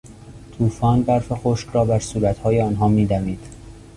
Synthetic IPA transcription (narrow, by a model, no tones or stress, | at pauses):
t̪ʰuːfɒːnbæɾfexoːʃkɾɒːbæɾsuːɾæt̪hɒːjeɒːnɦɒːmiːd̪æmiːd̪̥